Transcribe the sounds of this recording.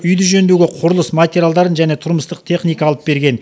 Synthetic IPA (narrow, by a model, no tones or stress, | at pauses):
ʏjd̪ʏʒɵnd̪eɡʲe̞qʰʊɾəlˠəsmat̪ʲeɾʲjalˠd̪ɑɾənʒæne̞t̪ʰʊɾməst̪əq̚t̪ʰe̞χnijkɑːlˠəp̚be̞ɾɡʲe̞n